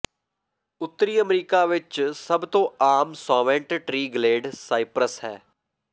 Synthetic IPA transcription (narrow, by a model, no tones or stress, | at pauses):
ʊt̪ːəɾiːəmɾiːkaːʋɪt͡ʃsəbt̪õːaːmsaːʋɛ̃ɳʈʈɾiːɡleːɖsaːɪpɾəshɛː